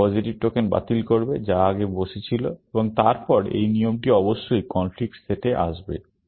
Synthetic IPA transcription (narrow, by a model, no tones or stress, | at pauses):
ɔd͡ʑiʈib̚ʈokenba̰t̪ilkoɾbed͡ʑaaɡeboʃet͡ɕʰiloeboŋt̪aɾpɔɾḛjniomʈiɔboʃːojkɔnflik̚ʈseʈeʔa̰ʃbe